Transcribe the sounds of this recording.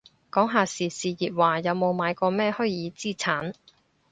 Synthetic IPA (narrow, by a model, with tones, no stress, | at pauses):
kɔː˨˥ŋɦaː˨siː˨˩siː˨jiː˨t̚waː˨jɐ˨˧wmo˨˧wmaː˨˧jkɔː˧mɛː˥hɵ˥jjiː˨˧t͡siː˥˩t͡sʰaː˨˥n